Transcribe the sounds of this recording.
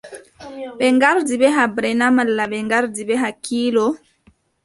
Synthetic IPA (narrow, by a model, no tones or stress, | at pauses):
ɓɛŋɡaɾdiɓɛɦabɾɛnamalːaɓɛŋɡaɾdiɓɛɦakiːlɔ